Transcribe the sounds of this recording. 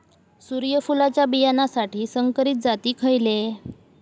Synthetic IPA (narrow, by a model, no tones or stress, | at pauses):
suɾjəfulat͡ɕjabijanasaʈiːsəŋkəɾiːt̪̚d͡zat̪iːkʰəjle